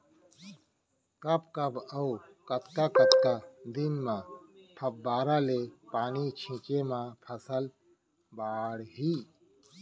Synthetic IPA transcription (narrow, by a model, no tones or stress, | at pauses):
kɐpkɐbɐukɐt̪kakɐt̪kad̪inmãpʰɐp̚baːɾalepaːnit͡ʃʰĩːt͡ʃemãpʰɐsəl | baːɽɦiː